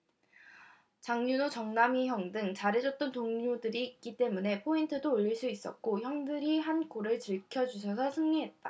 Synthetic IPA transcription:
t͡ɕaŋɲunot͡ɕʌŋnamiçjʌŋdɯŋt͡ɕaɾed͡ʑʌt̚t͈ʌntoŋɲudɯɾiːk͈it͈e̞mune̞pʰointʰɯdoːʎːiɭs͈uis͈ʌ̰k̚k͈oçjʌŋdɯɾiɦankoɾɯɭt͡ɕiɭkʰjʌd͡ʑuɕʰʌsʰʌsʰɯŋɲiɦe̞t̚t͈a

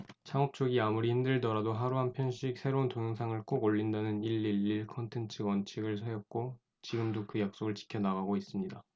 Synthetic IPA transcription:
t͡ɕʰaŋʌp̚t͡ɕ͈oɡiamuɾihimdɯɭdʌɾadoɦaɾuɦampʰjʌnɕʰik̚sʰe̞ɾountoŋjʌŋsʰaŋɯɭk͈oɡoʎːindanɯniɭːiɭːiɭkʰʌntʰe̞nt͡ɕʰɯɡwʌnt͡ɕʰiɡɯɭsʰajʌk̚k͈o | t͡ɕiɡɯmdokɯjak̚s͈oɡɯɭt͡ɕi̥kʰjʌnaɣaɡois͈ɯmɲida

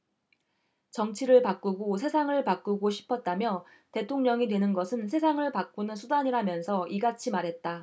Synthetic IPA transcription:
t͡ɕʌŋt͡ɕʰiɾɯɭpak͈uɡosʰe̞sʰaŋɯɭpak͈uɡoɕʰi̥pʰʌt̚t͈amjʌ | te̞tʰoŋɲʌŋidwe̞nɯnɡʌsʰɯnsʰe̞sʰaŋɯɭpak͈̚unɯnsʰudaɲiɾamjʌnsʰʌʔiɡat͡ɕʰimaɾɦe̞t̚t͈a

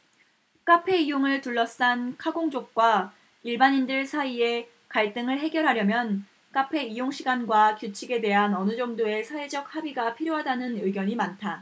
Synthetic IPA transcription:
k͈apʰe̞ijoŋɯɭtuɭːʌs͈ankʰaɡoŋd͡ʑok̚k͈wa | iɭbaɲindɯɭsʰaie̞ | kaɭt͈ɯŋɯɭɦe̞ɡjʌɾɦaɾjʌmjʌn | k͈apʰe̞ijoŋɕʰiɡanɡwakjut͡ɕʰiɡe̞de̞ɦanʌnɯd͡ʑʌŋdoe̞sʰaɦe̞d͡ʑʌk̚habiɡapʰiɾjoɦadanɯnɯɡjʌɲimantʰa

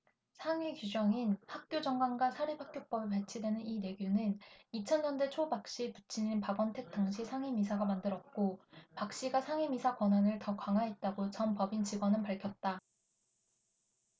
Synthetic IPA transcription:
sʰaŋekjud͡ʑʌŋinhak̚k͈jod͡ʑʌŋɡwanɡwasʰaɾipʰak̚k͈jok̚p͈ʌbepaɭt͡ɕʰidwe̞nɯnine̞ɡjunɯnit͡ɕʰʌnɲʌnde̞t͡ɕʰobak̚ɕ͈ipu̥t͡ɕʰininpaɡwʌntʰe̞k̚t͈aŋɕʰisʰaŋemisʰaɡamandɯɾʌt̚k͈opak̚ɕ͈iɡasʰaŋemisʰakwʌnɦanɯɭtʌkwaŋɦaet̚t͈aɡot͡ɕʌnpʌbint͡ɕiɡwʌnɯnpaɭkʰjʌt̚t͈a

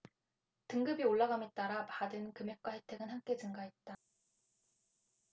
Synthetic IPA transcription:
tɯŋɡɯbioɭːaɡamet͈aɾapadɯnkɯmjek̚k͈wahe̞tʰe̞ɡɯnhamk͈e̞d͡ʑɯŋɡaɦet̚t͈a

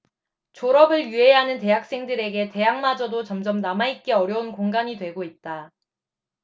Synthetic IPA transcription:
t͡ɕoɾʌbɯɭjye̞ɦanɯnte̞ɦak̚s͈e̞ŋdɯɾe̞ɡe̞te̞ɦaŋmad͡ʑʌdot͡ɕʌmd͡ʑʌmnamait̚k͈e̞ʌɾjʌunkoŋɡaɲidwe̞ɡoit̚t͈a

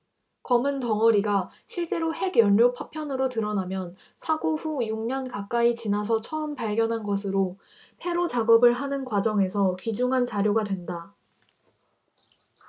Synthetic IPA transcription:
kʌmɯntʌŋʌɾiɡa | ɕʰiɭt͡ɕ͈e̞ɾohe̞ɡjʌʎːjopʰapʰjʌnɯɾotɯɾʌnamjʌn | sʰaɡoɸujuŋɲʌnkak͈ait͡ɕinas̬ʰʌt͡ɕʰʌɯmpaɭɡjʌnɦanɡʌs̬ʰɯɾo | pʰe̞ɾot͡ɕaɡʌbɯɭɦanɯnkwad͡ʑʌŋe̞sʰʌkid͡ʑuŋɦant͡ɕaɾjoɡadwe̞nda

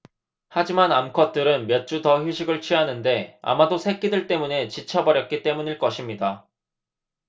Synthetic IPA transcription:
had͡ʑimanamkʰʌt̚t͈ɯɾɯnmjʌt̚t͡ɕ͈utʌçjuɕʰiɡɯɭt͡ɕʰɥiɦanɯnde̞a̰madosʰe̞k͈idɯɭt͈e̞mune̞t͡ɕit͡ɕʰʌbʌɾjʌk̚k͈it͈e̞muɲiɭk͈ʌɕʰimɲida

